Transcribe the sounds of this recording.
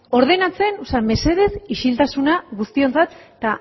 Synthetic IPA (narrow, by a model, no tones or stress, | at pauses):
o̞ɾð̞enat͡se̞nusame̞se̞ðe̞siʃilt̪asunaɣust̪io̞nt͡sat̪t̪ːa